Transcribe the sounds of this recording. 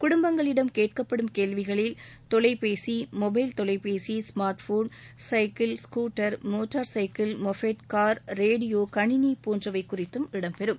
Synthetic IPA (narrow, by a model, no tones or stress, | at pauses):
kʊɽʊmbɐŋɡɐɭɪɽɐmkeːʈ̚kɐpːɐɽɯmkeːlʋɪɣɐɭɪl | t̪ɔlɐɪpeːsimɔbɐɪlt̪ɔlɐɪpeːsismaːɾʈfoːn | sɐɪkɪlskuːʈːɐɾmoːʈːaɾsɐɪkɪlmɔfeʈkaːɾɾeːɽɪjoːkɐɳɪnipoːndrɐʋɐɪkːʊrɪt̪ːɯmɪɽɐmpɛɾɯm